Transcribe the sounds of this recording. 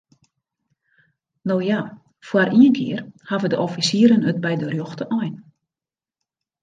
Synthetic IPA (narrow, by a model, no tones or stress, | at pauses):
nowja | fwarʔiənkʰɪ̰ərhavədəʔɔfisiəɾənət̚bɛjdərjɔxtəʔɔjn